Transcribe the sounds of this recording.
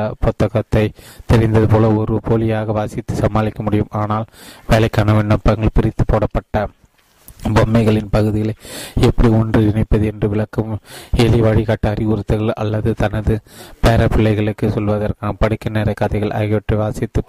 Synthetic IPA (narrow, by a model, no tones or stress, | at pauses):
ɐpɔt̪ːɐɣɐt̪ːɐɪt̪ɛɾɪnd̪ɐðɯpoːlɐɔɾɯpʰoːlɪjaːɣɐʋaːsɪt̪ːɯsɐmːaːlɪkːɐmʊɽɪjɯmaːnaːlʋeːlɐɪkːaːnɐʋeːɳɖɐmpɐŋɡɐɭpɪɾɪt̪ːɯ̥pːoːɽɐpːɐʈːɐ | bɔmːɐɪɣɐɭɪnpɐɣɯðɪɣɐɭɐɪɛpːɐɽiɔndrɯɪnɐɪpːɐðɯɛndrɯʋɪɭɐkːɐmɛlɪʋaːɽikaːʈːaːɐɾiʊɾɯt̪ːɯɣɐɭɐ̰lːɐðɯt̪ɐnɐðɯpeːɾɐpɪlːɐɪɣɐɭɯkːɯsɔlʋɐðɐrkaːnɐpɐɽɯkːɐneːɾɐɪkːɐðɐɪɣɐɭʔɐ̰ːɣɪʋɐʈrɯʋaːsɪt̪ːɯ